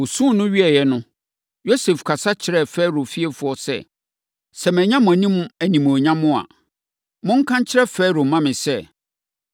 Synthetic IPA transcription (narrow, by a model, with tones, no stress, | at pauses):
wo˨sũ˦˨nʊ̃˦ɥi˦ɛ˨jɛ˨nʊ̃˦ | jo˦se˨fkʰa˨sa˦t͡ɕʰɪ˨ɾɛ˦˨fɛ˦ɾo˨fi˦ɛ˦fʊ˨˦ɔ˦sɛ̰˦˨ | sɛ˨mɛ̃˨ɲã˦mʊ̃˨æ˨nĩ˦m˦æ˨nĩ˨m˨o˨ɲã˦mʊ̃˦a̰˨ | mʊ̃˦ŋ̩˦kʰã˦ɲ˦t͡ɕʰɪ˦ɾɛ˦fɛː˦ɾo˨mã˦mɪ̃˨sɛ˦